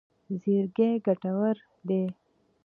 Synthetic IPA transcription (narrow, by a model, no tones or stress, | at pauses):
zeɾɡeɡaʈawəɾ | d̪e